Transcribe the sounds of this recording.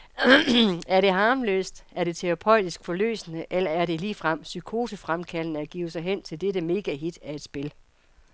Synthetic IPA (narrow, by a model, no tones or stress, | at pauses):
æɐɾe̝ɦɑ̈ːmlø̰ːsd̥æɐɾ̥e̝t͡sʰeʁɑ̈pʰɒ̽ɪ̰d̥isɡ̥fɒ̽lø̰ːsnəʔelɐæɐɾe̝liːfʁam̰sykʰo̝̰ːsəfʁamkʰælnəæɡ̥ḭːʊsɑ̈ɪɦen̰t͡sʰe̝ld̥eɾəme̝ːɡ̥æɦid̥æe̝d̥sb̥e̝l